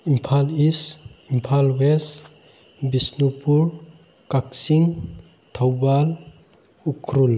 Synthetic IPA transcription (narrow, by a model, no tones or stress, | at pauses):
impʰalisimpʰalwes | bisnupuɾ | kaksiŋ | t̪ʰawbal | ukʰɾul